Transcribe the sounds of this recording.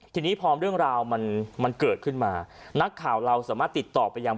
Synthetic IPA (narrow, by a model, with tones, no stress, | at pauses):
t̪ʰiː˧niː˦˥˩pʰɾɔː˦˥mɾɯ˥˩əŋɾaː˧wma˧nma˧nkɤː˨˩t̪̚kʰɯ˥˩nmaː˧na˦˥kʰːaː˨˩wɾa˧wsaː˩˦maː˥˩t̪ːi˨˩t̪ːɔː˨˩pa˧jːaː˧ŋ